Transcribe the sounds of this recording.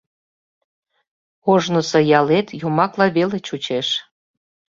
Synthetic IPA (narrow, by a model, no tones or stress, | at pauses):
oʒnəsə̆jɑlet̪jumɑklɑβelet͡ɕut͡ɕeʃ